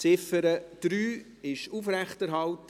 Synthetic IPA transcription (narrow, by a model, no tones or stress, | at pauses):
t͡sɪfəɾəd̪̥ɾyː | ɪʃuːfɾæχtɛɾɦɑlt